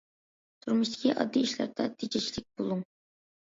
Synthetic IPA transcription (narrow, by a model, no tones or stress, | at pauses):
t̪ʰuɾmuʃt̪ʰɪ̥kʲʰiʔɑ̰d̪ːiiʃlæ̰ɾd̪ɛt̪ʰid͡ʒɛt͡ʃʰilɪk̚ʲbolˠuŋ